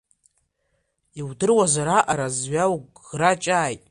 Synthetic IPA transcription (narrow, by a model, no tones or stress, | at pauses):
iwdɨrwazaɾaʔaɾazɥawɡ | rat͡ʃʼaːjtʼ